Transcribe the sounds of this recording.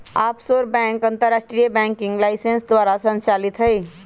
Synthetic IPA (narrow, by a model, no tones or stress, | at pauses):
apsoɾbɛ̃ŋkənt̪əɾːasʈɾijəbɛ̃ŋkiŋɡlaɪsensd̪ʋaɾasə̃nt͡ʃalit̪ɦəj